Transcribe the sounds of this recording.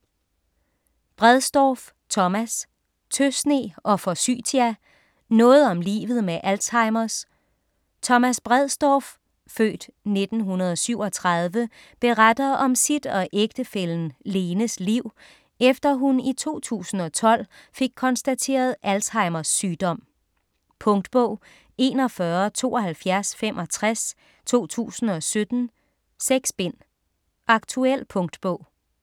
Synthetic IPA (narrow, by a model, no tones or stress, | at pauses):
b̥ʁɛðˠsd̥ɒːf | t͡sʰɒ̽mæs | t͡sʰøsne̝̰ːʔɒ̽fɒsy̰ːt͡sʰiæ | nɔ̽ːð̞̩ˠɒ̽mlḭːʋð̞̩ˠmeʔælsɑ̈ɪmɐs | t͡sʰɒ̽mæsb̥ʁɛð̞ˠsd̥ɒːf | fø̰ːd̥ne̝d̥n̩ɦunɐð̞ˠɒ̽syʊ̰ɒ̽t͡sʰʁɑð̞ˠʋə | b̥e̝ʁad̥ɐʔɒ̽msid̥ɒ̽ʔeɡ̥̚d̥əfel̰n̩le̝ːnəsliʊ̰ | efd̥ɐɦunit͡sʰo̝̰ːt͡sʰṵːsn̩ɒ̽t͡sʰɒ̽l̰fe̝ɡ̥̚kʰɒ̽nsd̥æt͡sʰe̝̰ːɐð̞ˠʔælsɑ̈ɪmɐsːyːd̥ɒ̽m̰ | pʰɔ̽ŋd̥b̥ɔʊ̰ | e̝̰ːnɒ̽fɶɐt͡sʰo̝̰ːɒ̽ɦælfjæɐsfem̰ʔɒ̽t͡sʰʁas | t͡sʰo̝̰ːt͡sʰṵːsn̩ɒ̽sød̥n̩ | seɡ̥sb̥en̰ | ʔɑ̈ɡ̥t͡sʰuel̰pʰɔ̽ŋd̥b̥ɔ̽ʊ̰